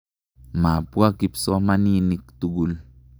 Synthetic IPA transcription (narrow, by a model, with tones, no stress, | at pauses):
ma˨pu˦a˦ki˦psɔ˦ma˦ni˦ni˦k̚t̪u˦ɡu˨l